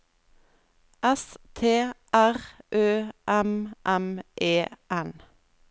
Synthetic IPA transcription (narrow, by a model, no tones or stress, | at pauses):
ʔɛst̪ʰeːʔæʁʔøːʔɛmʔɛmʔeːʔɛn